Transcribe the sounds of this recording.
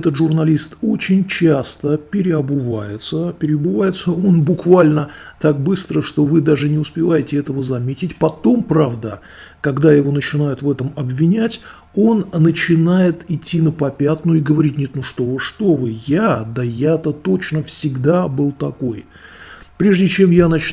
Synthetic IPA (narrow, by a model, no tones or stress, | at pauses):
ɛt̪ət̪ʐʊrnɐlʲist̪o̞t͡ɕɪnʲt͡ɕast̪əpʲɪɾʲɪɐbɨvajɪt̪səpʲɪɾʲɪəbɨvajɪt̪səo̞nbʊkvalʲnət̪ak̚bɨst̪ɾəʂt̪o̞vɨd̪aʐɨnʲɪʊspʲɪvajɪtʲɪɛt̪əvəzɐmʲetʲɪtʲpɐt̪o̞mpɾavd̪ə | kɐɡd̪ajɪvo̞nət͡ɕɪnajʊt̪vɛt̪əmɐbvʲɪnʲætʲ | o̞nːət͡ɕɪnajɪt̪ɪtʲːinəpɐpʲat̪nʊjɪɡəvɐɾʲitʲnʲet̪nʊʂt̪o̞vɨʂt̪o̞vɨjad̪əjat̪ət̪o̞t͡ɕnəfsʲɪɡd̪abɨlˠt̪ɐkoj | pɾʲe̞ʐdʲɪt͡ɕe̞mjanɐt͡ɕ